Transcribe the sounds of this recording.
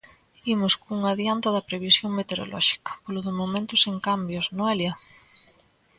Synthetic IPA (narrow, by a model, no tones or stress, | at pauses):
imʊskuŋaðjant̪ɐðɐpɾeβisjoŋmet̪eɾo̰lʔɔ̰ʃi̥kɐ̥polʊðʊmomẽnt̪ʊseŋkambjʊznʊɛljɐ